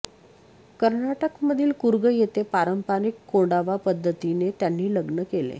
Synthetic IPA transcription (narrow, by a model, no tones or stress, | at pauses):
kəɾɳaʈəkməd̪ʱiːlkuɾɡəjet̪epaɾəmpanikːoɖaʋapəd̪ʱːət̪inet̪janːiːləɡnəkelḛ